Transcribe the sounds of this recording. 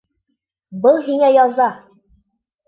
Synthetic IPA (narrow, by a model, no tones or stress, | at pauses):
bɤlˠɦiŋæjɒzɑ